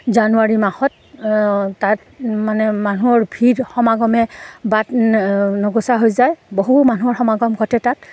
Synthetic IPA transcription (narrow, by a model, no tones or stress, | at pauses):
zanuaɹimaxɔtː | at | manɛmanuɔɹbʱidxɔmaɡɔmɛbatnɔɡɔsaɦojzajboɦumanuɔɹxɔmaɡɔmɡʱɔtɛtat̚